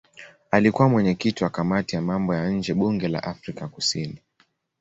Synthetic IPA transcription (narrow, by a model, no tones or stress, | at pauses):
alikuwamwɛɲɛkitiwakamatijamambɔjaɲ̩d͡ʒɛɓuŋɡɛla̰ʔafɾikakusini